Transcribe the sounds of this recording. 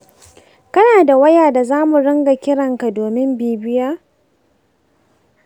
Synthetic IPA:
kɐ˦naː˨da˨wɐ˦jaː˨da˨zaː˦mu˨ɽɐ˦ŋɡa˨kʲɪ˦ɽɐ˨ŋka˨doː˨mɪ˦mbiː˨bɪ˦jaː˦

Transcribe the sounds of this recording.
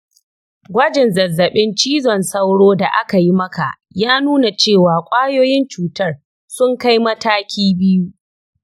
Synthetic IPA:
ɡʷɐ˦d͡ʒɪ˨nzɐ˨zːɐ˨ɓɪ˦nt͡ʃiː˦zɔ˨nsɐ˦wɽoː˦da˨ʔa˦ka˨ji˦mɐ˦ka˨ʔ | jaː˦nuː˦na˨t͡ʃeː˦˨waː˨kʷʼaː˦joː˦jɪ˦nt͡ʃuː˨tɐ˦r | sʊ˦ŋka˦jmɐ˦taː˦kʲʰiː˦bɪ˦ju˦

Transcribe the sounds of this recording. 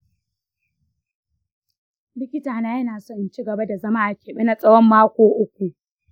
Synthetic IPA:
bɪ˦kʲɪ˦taː˨naː˦jɐ˦naː˨so˦˨nt͡ʃi˦ɡɐ˨ba˦da˨zɐ˦ma˦ʔa˨kʲeː˨ɓɪ˦na˨sʼɐ˦wɔ˦mːaː˦kʷoː˨ʔʊ˦kʷu˨ʔ

